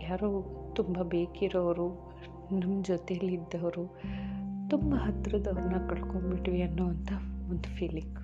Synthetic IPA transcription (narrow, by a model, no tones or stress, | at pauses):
jaːɾoːt̪umbɐbeːkiɾoʋɐɾu | nɐmːɐd͡ʒɔt̪eɐlːid̪ːɐʋɐɾu | t̪umbɐɦɐt̪ɾɐd̪ɐʋɐɾnɐkɐɭkombiʈʋiɐnːuːɐnt̪ɐond̪upʰiːlikː